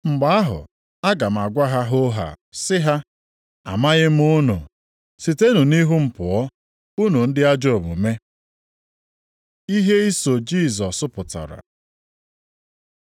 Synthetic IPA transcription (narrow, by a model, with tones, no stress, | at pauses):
ŋ͡m̩˨ɡ͡ba˨˦a˦ɦʊ̰˨ | a˦ɡa˨m̩˨a˨ɡʷa˦ɦa˦ɦo˦ɦa̰˨ | sɪ˦ɦa˦ | a̰˨ma˦ɣɪ˦m̩˦ʊ˦nʊ̰˨ | si˨te˦nu˨ni˦ɦu˦m̩˨pʊ˨ɔ˦ | u˦nu˨n̩˦dɪ˦a˦d͡ʒo˦˨mṵ˨me˦ | i˦ɦe˦i˦so˨d͡ʒi˦˨zɔ˨sʊ˦pʊ˨ta̰˨ɾa̰˨